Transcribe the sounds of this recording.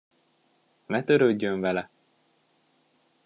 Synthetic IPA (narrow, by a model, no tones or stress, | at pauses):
mɛt̪øɾøɟːøɱvɛlɛ